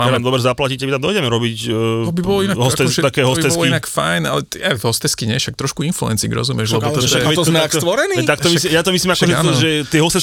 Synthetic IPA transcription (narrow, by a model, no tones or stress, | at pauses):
amamd̪ɔbɾɛzaplacicabit̪amd̪ɔiɟɛmɛɾɔbic̪ɔbibɔlɔinaɦɔsat̪ɛst̪akɛːɦɔst̪ɛɔslkiinakfa̰jna̰lɛt̪aɦɔst̪ɛskiɲɛʃak̚t̪ɾɔʃkuinfluɛ̰nt͡sḭɡɾɔ̰zumjɛʃlɛbɔɔaɛt̪ɔzmɛakst̪ʋɔɾɛniːt̪ak̚t̪ɔisijat̪ɔmislimakɔʒɛɔʒɛt̪ɪɛɦɔst̪ɛs